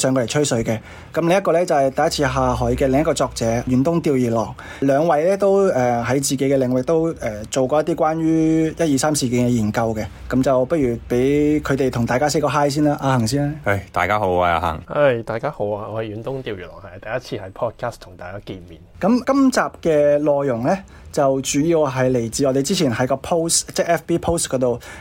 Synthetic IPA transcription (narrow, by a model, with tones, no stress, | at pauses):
sœː˨˧ŋkɔː˧˩ɐ˨˩t͡ʃʰɵ˥sɵ˨˧ɥkɛː˧ | kɐ˨˦mlɪ˨˧ŋjɐ˥kɔː˧lɛː˥t͡sɐ˨˩hɐ˨jt̪ɐ˨jɐ˥t̚t͡sʰi˧ɦaː˧ɦɔː˨˥jkɛː˧lɪ˨ŋjɐ˥tkɔː˧t͡sɔː˧k̚t͡sɛː˨˥jy˨˥nt̪ʊ˥ŋt̪iː˧wjiː˨˩lɔː˨˩ŋ | lœː˨˧ŋwɐ˨˧jlɛː˥t̪o˥wɛː˨ɦɐ˨˥jt͡siː˨˩ke˨˥jkɛ˧lɪ˨˩ŋwɪ˨k̚t̪o˥wʔɛː˨˩t͡so˨wkɔː˧jɐ˥t̪̬iː˥kwaː˥nɥyː˥jɐ˥t̚jiː˨˧saː˥msiː˨˩ki˨˥nkɛ˧jiː˨˩nkɐ˧wkɛ˧ | kɐ˨˦mt͡sɐ˨˩wpɐ˥k̚jyː˨˩pe˨˥jkʰɵ˨˧t̪e˨˩jt̪ʰʊ˨˩ŋt̪aː˨kaː˥s̬e˥kɔː˧ɦaː˥js̬iː˥nlaː˧˥ʔaː˧hɐ˨˩ŋs̬iː˥na˧˥ɐ˧˩jt̪a̰ː˨jkaː˥ho˨˥waː˧a̰ː˧ɦɐ̰˨˩ŋɐ˥jt̪aː˨jkaː˥ho˨˧˥waː˧ɔː˨˧hɐ˨˩jyː˨˧˥nt̪ʊ˥ŋt̪iː˧wyː˨˩nɔ̰ː˨˩hɐ˨jt̪ɐ˨jɐ˥t̚t͡sʰiː˧hɐ˨˥jpʰɔː˥t̚kʰaː˥st̪ʰʊ˨˩ŋt̪aː˨jkaː˥kiː˧nmiː˨˩nkɐ˨˥mkɐ˥mt͡saː˨p̚kɛː˧lɔː˨˧jːʊ˨˩ŋlɛː˥ | t͡sɐ˨wt͡ʃyː˨˥ji˧wɦɐ˨˩jle˨˩jt͡siː˨˧ɔː˨˧te˨jt͡siː˥t͡sʰiː˨˩nhɐ˨˥jkɔː˧pʰo˥wst͡sɛː˥ɛː˥fpiː˥pʰo˥wskɔː˨˥t̪o˨w